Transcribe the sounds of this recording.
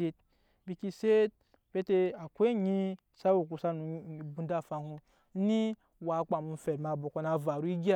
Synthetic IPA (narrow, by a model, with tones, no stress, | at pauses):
e˧t | bi˧ki˧se˦t̚ | pe˦te˧a˨kʷe˦ɲi˧˦ | sa˦wu˧˨k̬u˧sa˧nu˧˨bu˧n˦da˦˨fa˧hu˧˦ | ni˦ | wa˧˨˦k͡pa˨mu˧m̩˦fe˨dma˧˨bo˨ko˧na˧va˨ɾu˦i˦ɡʲa˦